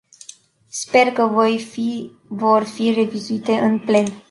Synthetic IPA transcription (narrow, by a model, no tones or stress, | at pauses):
spe̞rkəvj | vorfire̞vizuit̪e̞ʔɨnple̞n